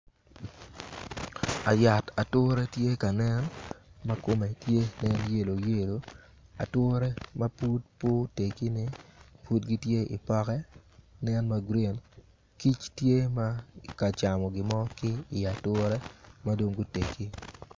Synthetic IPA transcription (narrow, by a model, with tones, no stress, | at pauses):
a˨ja˨ta˨tʊ˦ɾe˦tje˦ka˨nɛ˦nma˦ko˦me˨tje˦nɛ˦nje˦lo˨je˦lo˨ | a̰˨tʊ˦ɾɛ˦ma˦pu˦t̚po˦te˨ki˦nɪ˦fu˦t̚ɡi˦tje˦ḭ˨pɔ˦kɛ˦nɛ˦nma˦ɡɾi˨n | ki˦t͡ʃtje˦ma˦ka˨t͡ʃa˨mɔ˨ɡɪ˨mɔ˦kɪ˦ɪ˨a˨tʊ˦ɾɛ˦ma˦do˦ŋɡʊ˦te˨ki˦